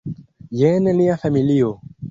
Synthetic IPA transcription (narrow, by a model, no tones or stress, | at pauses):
jeneliafamilio